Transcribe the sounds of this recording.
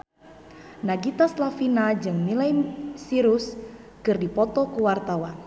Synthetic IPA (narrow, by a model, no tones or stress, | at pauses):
naɡit̪aslafinad͡ʒɨŋmilajsiɾus | kɨrdipɔt̪ɔkuwart̪awan